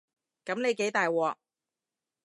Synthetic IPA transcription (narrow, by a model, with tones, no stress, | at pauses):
kɐ˨˥mne˨˧jke˨˥jt̪aː˨jwɔː˨˧